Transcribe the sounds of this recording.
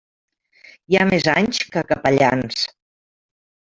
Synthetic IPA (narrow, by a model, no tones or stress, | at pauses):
jamezaɲskəkəpəʎans